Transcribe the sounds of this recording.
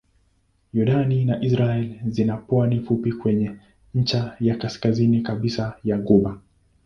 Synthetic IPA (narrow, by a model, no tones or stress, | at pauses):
juɗaninaʔisɾaɛlzinapwanifupikwɛɲɛ | ɲ̩t͡ʃajakaskazinikaɓisajaɡuɓa